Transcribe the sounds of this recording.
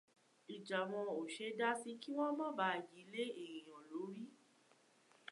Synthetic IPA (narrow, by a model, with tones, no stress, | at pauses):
i˨d͡ʒa˨w̃ɔ̃˧o˨ʃe˧da˦si˦ki˦w̃ɔ̃˦mɔ̃˦ba˧˦˨ji˨˦le˦e˦˨ɾĩ˨j̃ɔ̃˨lo˨˦ɾi˦